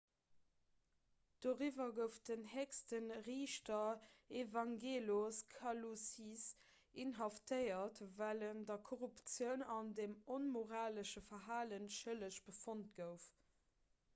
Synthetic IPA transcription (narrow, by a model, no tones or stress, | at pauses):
d̥oːʁivɐɡəʊfdənhɛkstənʁiːʃtɐevɑŋɡeːloskʰɑlusis | inɦɑftəɪɐtvæləndɐkʰoʁupt͡sjəʊnɑndemonmoʁaːləʃəfɐɦaːlənʃələɕb̥əfont̚ɡ̥əʊf